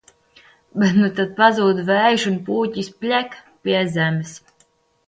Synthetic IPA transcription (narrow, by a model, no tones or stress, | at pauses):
bɛt̪nut̪at̪̚pazuːd̪væːjʃunpuːcʲisʲpʲlʲæk | pʲiɛzæmɨs